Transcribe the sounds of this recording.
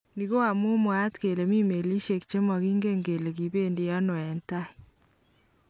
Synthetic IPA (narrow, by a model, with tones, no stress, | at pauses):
ni˨ɣo˦wa˨mu˦mwa˦tke˨le˨mi˦me˨li˦ʃe˨kt͡ʃe˦mɔ˨ɣiː˦ŋɡe˦ŋɡe˨le˨ɣi˨βe˦ndi˨ja˦nɔ˨ɛ˨nta˦